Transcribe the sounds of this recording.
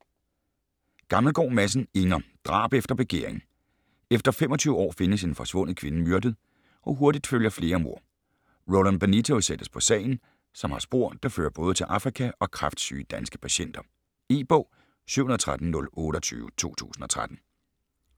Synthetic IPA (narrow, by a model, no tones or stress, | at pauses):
ɡ̥ɑ̈ml̩ɡ̥ɒ̰ːmæs̬n̩e̝ŋɐd̥ʁɑ̰̈ːb̥efd̥ɐb̥eɡ̥e̝ɐeŋ̩ | efd̥ɐfem̰ɒ̽t͡sʰyːʊəɒ̰ːfe̝nəse̝nfɒ̽sʋɔ̽n̰ð̩ˠkʰʋe̝nəmyɐd̥ð̩ˠ | ʔɒ̽ɦoɐdid̥føljɐfle̝ːɐmo̝ɐ̰ | ʁolænb̥ænit͡sʰosed̥əspʰɒ̽sɛ̰ɪn̩ | sɒ̽mhɑ̈sb̥o̝ɐ̰d̥ɑ̈fø̰ːɐb̥ɔ̽ːð̞̩ˠət͡sʰe̝lʔɑ̈fʁikʰæʔɒ̽kʰʁɑfd̥sy̰ːd̥ænsɡ̥ə̥pʰæɕen̰d̥ɐ | eːb̥ɔʊ̰ | sy̰ʊunð̩ˠt͡sʰʁad̥n̩nɔ̽lɔ̽ːɾ̥ɒt͡sʰy̰ːʊət͡sʰo̝̰ːt͡sʰṵːsn̩ɒ̽t͡sʰʁad̥n̩